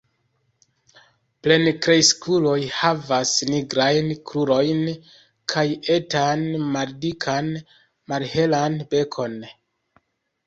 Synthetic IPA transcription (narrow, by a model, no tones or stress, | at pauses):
ple̞nkɾejskulo̞jhavasniɡɾajnkʰɾuɾo̞jn | kʰaje̞tanmaɾdikʰan | maɾhe̞lanbe̞kʰo̞n